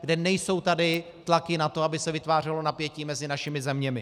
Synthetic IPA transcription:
ɡdɛnɛjso̞wt̪adɪ | t̪lakɪnat̪oabɪsɛvɪt̪vaːr̝ɛlo̞napjɛciːmɛzɪnaʃɪmɪzɛmɲɛmɪ

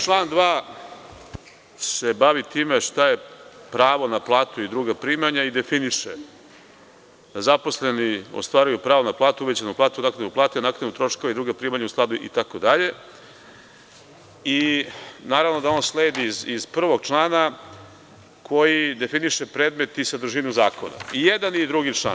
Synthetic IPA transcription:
t͡ʃlˠaːnd̪ʋaː | se̞baʋit̪iːmeʃt̪aje̞pɾaːʋo̞naplˠaːt̪uid̪ɾuːɡapɾiːmaɲaid̪e̞finiʂe | d̪azapo̞sle̞nio̰st̪ʋaːɾujupɾaːʋonaplˠaːt̪uuʋed͡ʑanuplaːt̪ud̪akauplaːt̪eanakɾanut̪ɾo̞ʂkoaid̪ɾuːɡapɾiːmaɲausklˠad̪uʔḭt̪ako̞d̪aʎe̞ | inaːɾaʋnod̪ao̞nsleːd̪izizpr̩ʋo̞ɡ̚t͡ʂlˠaːna | kʰo̞jid̪e̞finiʂepɾeːd̪me̞t̪isad̪ɾuʒinuzaːko̞̰na̰ijed̪anid̪ɾuɡit͡ʃla̰

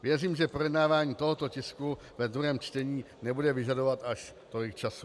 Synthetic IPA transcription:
vjɛriːmʒɛpɾo̞jɛdnaːvaːɲiːt̪o̞ɦo̞t̪o̞cɪsku | vɛd̪ɾuɦɛːmt͡ʃt̪ɛɲiː | nɛbudɛvɪʒado̞vat̪aʃ | t̪o̞lɪk̚t͡ʃasu̥

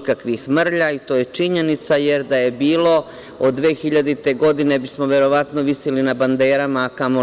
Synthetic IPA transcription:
kakʋixmr̩ʎait̪oːjet͡ʂiɲe̞nit̪saje̞ɾd̪aje̞biːlo̞ | od̪ːʋe̞ːxiʎad̪it̪e̞ɡo̞d̪ine̞bismoʋe̞ɾo̞ʋat̪noʋisilinaband̪e̞ːɾamaːkamo

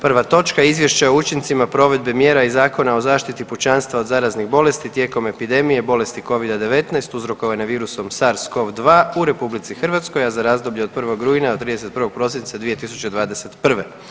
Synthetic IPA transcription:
pr̩ʋat̪o̞t͡ʃkaizʋje̞ʃt͡ɕaout͡ʃint̪simapɾo̞ʋe̞d̪bemjeːɾaizaːko̞nao̞zaːʃt̪it̪iput͡ʃanst̪ʋaod̪zaːɾaznixbo̞le̞st̪it̪je̞ko̞me̞pid̪e̞mije̞bo̞le̞st̪iko̞ʋid̪ad̪e̞ʋe̞t̪naest̪uzɾo̞ko̞ʋanaʋiːɾuso̞msaɾsko̞ʋd̪ʋaːuɾe̞publit̪sixr̩ʋat̪sko̞jazaɾaːzd̪oblʎed̪pr̩ʋo̞ɡɾuinaot̪ːɾiːd̪eset̪̚pr̩ɾʋoɡ̚pɾo̞sint̪sad̪ʋije̞t̪isu̥t͡ɕed̪ʋaːd̪e̞set̪pr̩ʋe

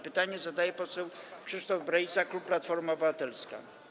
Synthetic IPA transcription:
pɘt̪aɲɛzad̪ajɛpɔsɛwkʂɘʂt̪ɔvbɾaj̪saklupːlat̪fɔɾmaɔbɘvat̪ɛlska̰

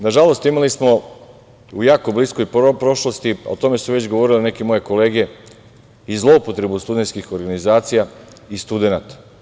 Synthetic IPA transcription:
naʒalo̞st̪imalismo̞ | ujaːkoblisko̞jpɾo̞ʃlost̪ḭot̪o̞me̞suʋe̞t͡ɕɡo̞ʋo̞ɾilene̞kemo̞je̞ko̞le̞ːɡe̞ | izlˠo̞upo̞t̪ɾe̞bust̪ud̪e̞nskixo̞ɾɡanizaːt̪sija | ist̪ud̪e̞nat̪ḁ

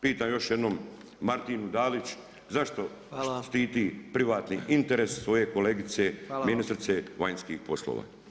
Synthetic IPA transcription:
piːt̪aːmjo̞ʃjed̪nomː | aɾt̪inud̪aːlit͡ɕu̥ | zaʃt̪o̞ | ʃt̪iːt̪iːpɾiʋaːt̪niʔint̪eɾesːʋo̞je̞ko̞leɡit̪seminist̪ɾit̪seʋajnskḭːxpo̞slo̰ːʋa̰ː

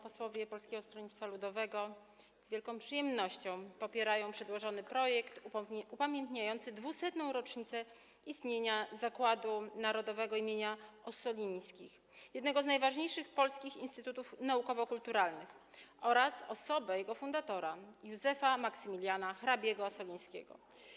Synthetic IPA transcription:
pɔswɔvʲjɛpɔlskʲɛɡɔst̪ɾɔɲit̪t̪falud̪ɔvɛɡɔ | z̥vʲjɛlkɔ̃w̃pʂɘjɛmnɔɕt͡ɕɔ̃w̃pɔpʲjɛɾajɔ̃w̃pʂɛd̪wɔʐɔnɘpɾɔjɛkt̪upamʲjent̪ɲajɔnt̪sɘd̪vusɛt̪nɔ̃w̃ɾɔt͡ʂɲit̪sɛ | ist̪ɲeɲazakwad̪unaɾɔd̪ɔvɛɡɔimʲjeɲaɔsɔlʲiɲ̃skʲix | jɛd̪nɛɡɔznajvaʐɲejʂɘxpɔlskʲixinst̪ɘt̪ut̪ufnaukɔvɔkult̪uɾalnɘxɔɾasɔsɔbɛjɛɡɔfund̪at̪ɔɾajuzɛfamaksɘmʲilʲjanaxɾabʲjɛɡɔsɔlʲij̃skʲḛɡɔ̰

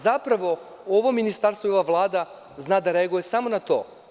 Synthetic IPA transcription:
zapɾaʋo̞ | oʋominist̪aɾst̪ʋojoʋaʋlˠaːd̪a | znaːd̪aɾeaɡujesamonat̪oː

